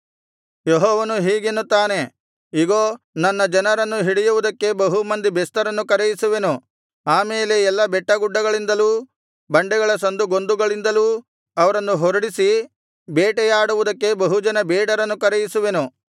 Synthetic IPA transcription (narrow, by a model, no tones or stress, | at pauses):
jeɦɔːʋɐnuɦiːɡe̞nːut̪ːaːne̞ | iɡoː | nɐnːɐd͡ʒɐnɐɾɐnːuɦiɽijuʋud̪ɐkːe̞bɐɦumɐnd̪ibɛst̪ɐɾɐnːukɐɾɛjisuʋe̞nu | aːmeːle̞ɛlːɐbɛʈːɐɡuɖːɐɡɐɭind̪ɐluː | bɐɳɖɛɡɐɭɐsɐnd̪uɡo̞nd̪uɡɐɭind̪ɐluː | ɐʋɐɾɐnːuɦɔɾɐɽisi | beːʈɛjaːɽuʋud̪ɐkːe̞bɐɦud͡ʒɐnɐbɛːɽɐɾɐnːukɐɾɛjisuʋe̞nu